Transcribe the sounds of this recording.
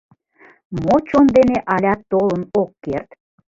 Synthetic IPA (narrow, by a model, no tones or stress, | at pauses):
mot͡ɕond̪eneʔɑlʲɑt̪ːolənokːert̪